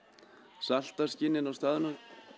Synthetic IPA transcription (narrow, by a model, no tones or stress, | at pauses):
sal̥t̪ascɪnːɪnawst̪aːðʏnam